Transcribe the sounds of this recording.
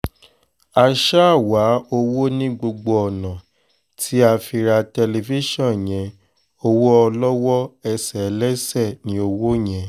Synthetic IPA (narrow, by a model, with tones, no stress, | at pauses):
a˧ʃa˦a˦˨wa˨˦o˧wo˦nĩ˦ɡ͡bo˧ɡ͡bo˧ɔ˨nã˨ | tʰi˦a˧fi˧ɾa˧tɛ˧le˧fi˦ʃɔ̃˦˨j̃ɛ̃˨˦ | o˧wo˦ɔ˧lɔ˦wɔ˦ɛ˧sɛ˨˦lɛ˦sɛ˦˨nĩ˨˦o˧wo˦j̃ɛ̃˨